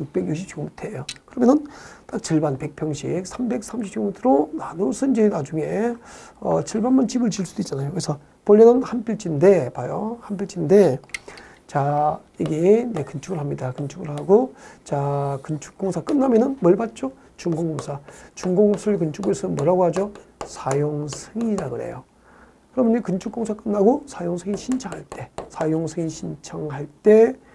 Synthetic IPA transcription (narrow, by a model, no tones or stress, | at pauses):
juk̚p͈e̞ɡjukɕʰip̚t͡ɕ͈omitʰe̞jokɯɾʌmjʌnɯnt͈ak̚t͡ɕiɭbanpe̞k̚pʰjʌŋɕʰik̚sʰambe̞k̚sʰamɕʰip̚t͡ɕomitʰɯɾonanusʰɯnd͡ʑenad͡ʑuŋe̞ | ʌt͡ɕʰiɭbanmant͡ɕibɯɭt͡ɕiɭs͈ud̥oit̚t͡ɕ͈anajokɯesʰʌ | pʌʎːʌnɯnhanpʰiɭt͡ɕʰinde̞pajohanpʰiɭt͡ɕʰinde̞ | t͡ɕa | iɡene̞kɯnt͡ɕʰuɡɯɭhamɲidakɯnt͡ɕʰuɡɯɭhaɡot͡ɕakɯnt͡ɕʰu̥k̚k͈oŋsʰak͈ɯnːamjʌnɯnmwʌɭbat̚t͡ɕ͈o | t͡ɕuŋɡoŋɡoŋsʰat͡ɕuŋɡoŋsʰuɭkɯnt͡ɕʰuɡoesʰɯnmwʌɾaɡohad͡ʑosʰajoŋsʰɯŋiɾaɡɯɾḛjo̰ | kɯɾʌmɯnikɯnt͡ɕʰuk͈̚oŋsʰak͈ɯnːaɡosʰajoŋsʰɯŋinɕʰint͡ɕʰaŋhaɭt͈e̞sʰajoŋsʰɯŋinɕʰint͡ɕʰaŋhaɭt͈e̞